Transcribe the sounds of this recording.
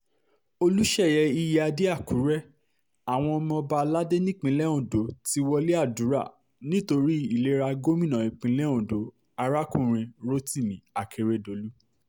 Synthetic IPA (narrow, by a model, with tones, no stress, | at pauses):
o˧lu˦ʃɛ˦˨jɛ˧i˧jɛ˦a˧de˦a˦˨ku˨˦ɾɛ˦ | a˨w̃ɔ̃˧ɔ˧mɔ̃˧ba˧la˦de˦nĩ˦˨k͡pĩ˨˦lɛ˦ũ˨do˨˦ti˧wɔ˧le˦a˦˨du˨˦ɾa̰˦˨ | nĩ˦to˧ɾi˦i˦˨le˨˦ɾa˧ɡo˦mĩ˦˨nã˨i˨k͡pĩ˨˦lɛ˦ũ˨do˨˦ | a˧ɾa˦kũ˦˨ɾ̃ĩ˧ɾo˦ti˦˨mĩ˨˦a˨kʰe˧ɾe˧do˨lu˦